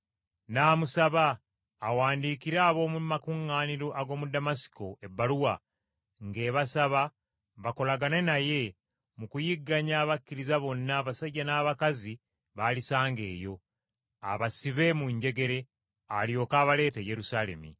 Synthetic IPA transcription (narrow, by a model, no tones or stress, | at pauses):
naːmusaβaː | waːndiːkiɾaːβo̞ːmumakuŋːaːniɾoʔaɡo̞ːmudamasi̥ko̞e̞bːaluwa | ŋɡe̞ːβasaβa | βako̞laɡanenaje̞ | mukujiɡːaɲaːβakːiɾizaβo̞nːaːβasaɟːanaːβakazi | βalisaːŋɡe̞̰ːjo̞ | a̰βasiβe̞muɲɟe̞ɡe̞ɾe̞ | aljo̞ːkaːβale̞ːteje̞ɾusaːle̞̰mḭ